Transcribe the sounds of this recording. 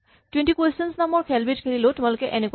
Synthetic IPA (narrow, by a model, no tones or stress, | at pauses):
twentikwostɔnsnamɔɹkʰɛlbitkʰelilotʊ̃alʊkɛʔeneku